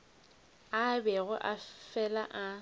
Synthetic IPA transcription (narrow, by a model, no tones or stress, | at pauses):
abɛɣʊʔafɛlaʔa